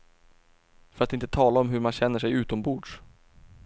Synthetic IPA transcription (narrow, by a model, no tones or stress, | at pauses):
fœɾat̪ɪnt̪ət̪ʰɑːlaɔmɦɵɾmanɕɛn̪ːəʂɛjʉ̟ːt̪ɔmbuːɖʂ